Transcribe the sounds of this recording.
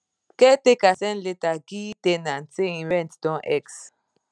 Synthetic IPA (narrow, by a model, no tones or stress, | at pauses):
ketekasɛn̩letaɡitenan̩teĩɾɛ̃ntdɔ̃nʔɛks